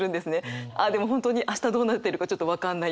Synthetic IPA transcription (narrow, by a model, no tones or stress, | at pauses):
ɾɯ̟̃nd̪e̞sɨne̞ʔaːd̪e̞mo̞ɦont̪oɲ̟iʔaɕt̪ad̪o̞ːnat̪ːe̞ɾɯ̟kat͡ɕo̞t̪ːo̞βakãnːai